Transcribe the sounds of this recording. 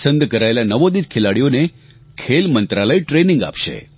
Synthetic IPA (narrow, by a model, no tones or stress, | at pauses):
sənd̪kəɾaelanəʋod̪it̪̚kʰelaɽijone | kʰelmənt̪ɾaləjʈɾenɪ̃ŋɡa̰pʃḛ